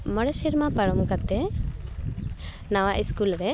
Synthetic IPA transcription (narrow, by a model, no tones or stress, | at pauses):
mɔɽɛsiɾmapaɾɔmkat̪ɛ | nawaʔiskulɾɛ